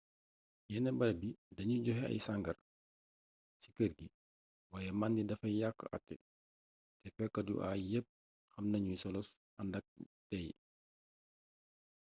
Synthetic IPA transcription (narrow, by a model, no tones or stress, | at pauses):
jɛnɛbɐlɐbidɐɲuɟɔɦɛɐ̰jsaŋɡɐr | sikərɡi | waːjɛmandidɐfɐjakːə̰ʔɐ̰tːɛ̰ | tɛfɛkːɐdṵʔa̰jəp̚ | xɐmnɐɲujsɔlɔs | ɐndɐk̚tɛj